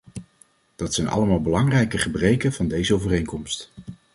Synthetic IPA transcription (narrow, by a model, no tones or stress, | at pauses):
d̥ɑtsɛjnɑ̰ləmaːlˠbəlɑŋrɛjkəχəbrejkəv̥ɑndejzəowvərejŋkɔmst